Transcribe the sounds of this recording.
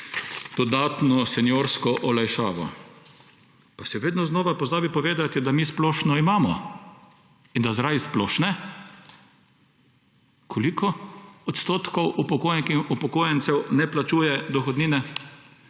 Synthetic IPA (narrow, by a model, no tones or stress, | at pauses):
d̪̥ɔd̪aːt̪nɔsɛnjoːɾskɔʔɔlajʃa̰ːʋɔ̰ | pasɛʋeːd̪nɔznoːʋapɔzaːbipɔʋeːd̪at̪id̪amiːsplɔːʃnɔimaːmɔ̰ | ind̪azɾajsplɔːʃnɛ | kʰɔlikɔɔt̪st̪oːt̪kɔwʔupɔkojkiupɔkoːjɛnsɛwnɛplat͡ʃuːjɛd̪ɔxɔd̪niːnɛ